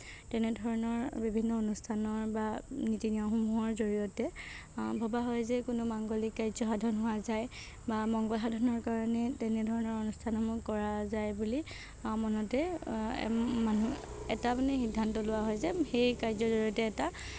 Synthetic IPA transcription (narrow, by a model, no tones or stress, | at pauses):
tɛnɛdʱɔɹɔnɔɹbibʱinːɔonustʰanɔɹbanitiniaxumuɦɔɹzoɹijɔtɛ | bʱɔbaɦɔjzɛkʊnʊmaŋɡolikːaɹzɔɦadʱɔnɦʊwazaj | bamɔŋɡɔlɦadʱɔnɔɹkaɹɔnɛtɛnɛdʱɔɹɔnɔɹonustʰanɔmukɔɹazajbuli | mɔnɔtɛ̰ | manuɛ̰tapnɛxidʱːantɔlʊwaɦɔjzɛxejkajzɔzoɹiɔtɛːta